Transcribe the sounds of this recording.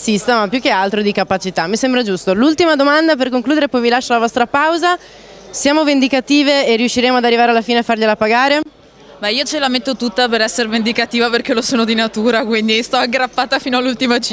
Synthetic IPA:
sist̪amapːjukːealt̪ɾod̪ikapat͡ʃit̪amːisembɾad͡ʒust̪olult̪imad̪omand̪aperkoŋkluːd̪eɾepɔjvilaʃːalavɔst̪ɾapawza | sjaːmovend̪ikat̪iːveerːiuʃːiɾeːmoad̪arːivaːɾealːafiːneafːarʎelapaɡaːɾe | bɛiːot͡ʃelamet̪ːot̪ut̪ːapeɾɛsːeɾevend̪ikat̪iːvaperkelosoːnod̪inat̪uːɾakwind̪ist̪ɔaɡɾapːaːt̪afiːnoalːult̪imat͡ʃ

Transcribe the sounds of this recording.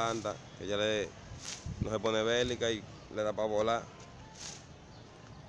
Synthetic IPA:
ant̪a̰ked͡ʒale | noɦeponeβelikai | let̪apaβola

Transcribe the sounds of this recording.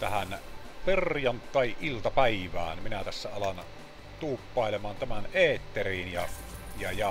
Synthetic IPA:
t̪æhæn | perjɑnt̪ːˑɑˑiʔʔilt̪ɑpæiʋæ̰ːnminæt̪æsːæɑlɑn | t̪uːpːɑˑelemɑːnt̪æmæneːt̪ːeriːnjɑ | jɑjɑ

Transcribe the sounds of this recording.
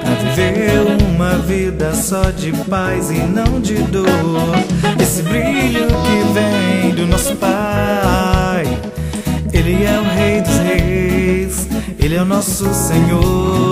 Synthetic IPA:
aviveũmɐvid̪ɐsɔd͡ʒɪpajzɪnɐ̃w̃d͡ʒɪd̪oɾd̪esɪbɾiʎʊkɪvẽj̃d̪ʊnɔsʊ̥pa | j | elɪɛũɦejd̪ʊzhejs | elɛʊnɔsʊsẽɲo

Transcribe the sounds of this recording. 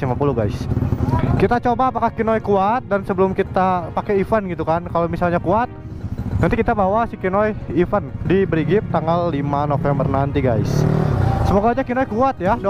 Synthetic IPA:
imapuluɡajs | kit̪at͡ʃobaːpakahkinojkuat̪̚dansəbəlʊmkit̪apakɛifanɡit̪ukankalomisalɲakuat̪̚ | nant̪ikit̪abawasikinɔjifandibəɾiɡɪp̚t̪aŋɡalːimanofɛmbərnant̪iɡajssəmoɡaːd͡ʒakinɔjkuat̪̚jado

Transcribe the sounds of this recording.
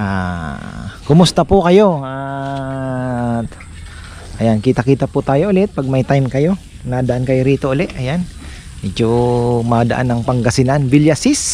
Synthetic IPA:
ʔa | kʊmʊst̪ɐpʊkɐjo̞a | ʔɐjankiːt̪ɐkiːt̪ɐpʊt̪aːjoʔʊlɛt̪̚pɐɡ̚mɐjt̪ajmkɐjo̞ | nad̪ɐʔankɐjoɾiːt̪o̞ʔʊlɛʔɐjan | ʔɪd͡ʒomad̪ɐ̰ʔanːɐŋpɐŋɡɐsɪnanbɪljasis

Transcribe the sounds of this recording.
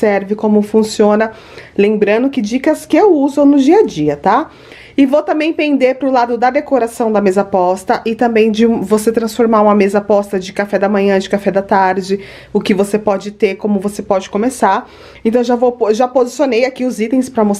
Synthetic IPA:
sɛɾvɪkõmʊfũsiõnɐ | lẽmbɾɐ̃nd̪ʊkɪd͡ʒikɐskɪewuzʊnʊd͡ʒiɐd͡ʒiɐt̪a | ɪvowt̪ɐ̃mbẽj̃pẽnd̪eɾpɾʊlad̪ʊd̪ɐd̪ekoɾasɐ̃w̃d̪ɐmezapɔst̪ɐʔɪt̪ɐ̃mbẽj̃d͡ʒɪ̃voset̪ɾɐ̃sfoɾmaɾũmɐmezɐapɔst̪ɐd͡ʒɪkafɛd̪ɐmɐ̃ɲɐ̃d͡ʒɪkafɛd̪ɐt̪aɾd͡ʒɪ | ʊkɪvosepɔd͡ʒɪt̪eɾkõmʊvosepɔd͡ʒɪkõmesaɾ | ẽnt̪ɐ̃w̃ʒãvoʒapozisionejakiʊzit̪ẽj̃spɾɐmos

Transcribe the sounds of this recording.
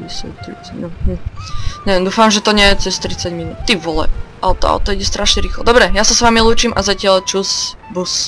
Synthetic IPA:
isɛ̰t̪ɾit͡snum̩ɲɛd̪uːfamʒɛt̪ɔɲɪɛjɛt͡sɛst̪ɾit͡saɟminuːt̪t̪ːiʋɔlɛ̰ʔa̰lt̪ɔa̰ɔ̰t̪ɔiɟɛst̪ɾaʃɲɛɾiːxlɔd̪ɔbɾɛjasasʋaːmiluːt͡ʃimʔazacɪalt͡ʃus | bus

